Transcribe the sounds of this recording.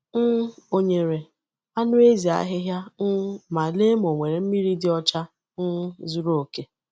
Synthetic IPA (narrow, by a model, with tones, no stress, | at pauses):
n̩˦o˦ɲe˨ɾe˨ | a˦nʊ˦e˦zi˨a̰˦ɦɪ˦ɦja˦n̩˦ma˨le˦m˨o˨ŋʷe˨ɾe˨m̩˦mi˦ɾi˦dɪ˦ɔ˦t͡ʃa˦ | n̩˦zu˦ɾo˦˨ke˦